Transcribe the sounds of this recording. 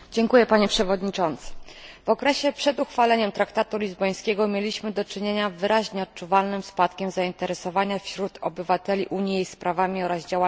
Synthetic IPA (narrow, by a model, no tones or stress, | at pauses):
d͡ʑɛŋkujɛpaɲɛpʂɛvɔd̪ɲit͡ʂɔnt̪sɘ̥vɔkɾɛɕɛpʂɛd̪uxfalɛɲɛmt̪ɾakt̪at̪ulʲizbɔj̃skʲɛɡɔmʲjelʲiɕmɘd̪ɔt͡ʂɘɲeɲavɘɾʔaʑɲɛɔt̪̚t͡ʂuvalnɘmspat̪kʲɛmzaint̪ɛɾɛsɔvaɲafɕɾut̪ʰɔ̰bɘvat̪ɛlʲiʔuɲijespɾʔavamʲiɔɾazd͡ʑawa